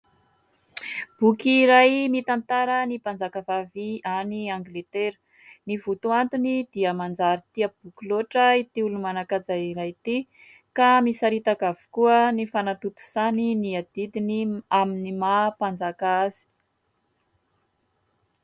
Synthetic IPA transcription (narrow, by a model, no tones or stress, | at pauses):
b̥ukiɾajmit̪ant̪aɾənipand͡zakavavianiaŋɡlet̪eɾə̥ | nivut̪uant̪unid̪̥iəmand͡zaɾit̪iab̥ukiloʈ͡ʂəit̪iulumanakad͡zajiɾajt̪i | kamisaɾit̪akavu̥kuənifanat̪ut̪u̥saniniad̪̥id̪iniaminimapand͡zakaazi̥